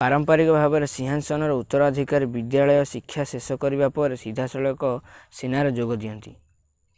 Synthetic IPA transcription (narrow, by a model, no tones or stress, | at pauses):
paɾɔmpaɾikɔbʱabɔɾesiɦansɔnɔɾɔut̪ːɔɾɔɔd̪ʱikaɾibid̪jaɭɔjɔsikʰːjasesɔkɔɾibapɔɾesid̪ʱasɔɭɔjɔkɔsenaɾɔd͡ʒoɡɔd̪ijɔnt̪i